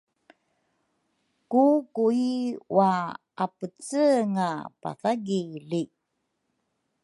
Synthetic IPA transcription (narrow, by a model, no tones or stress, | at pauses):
kukuiwa | apət͡səŋapa̰θaɡili